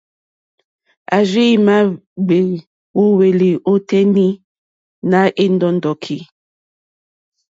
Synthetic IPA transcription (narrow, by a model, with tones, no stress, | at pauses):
a˨ʒi˦˨ma˦ɡ͡be˨ | wo˦we˨li˨ʔo˦tɛ˦ni˦ | na˦ʔe˦ndɔ˨ndɔ˨kʰi˨